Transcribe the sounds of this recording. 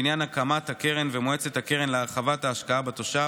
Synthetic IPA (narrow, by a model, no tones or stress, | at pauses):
injanakamat̪hakeʁenvemoet͡se̞thake̞ʁenleaʁχavataːʃkaabat̪oʃa